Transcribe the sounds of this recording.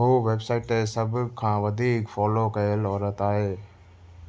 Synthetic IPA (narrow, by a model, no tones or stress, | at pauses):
ɦoːʋeːbsaːɪʈesəbkʰːãːʋɐd̪ʱiːkfɔːlokɐjəlɔːɾət̪aːɦeː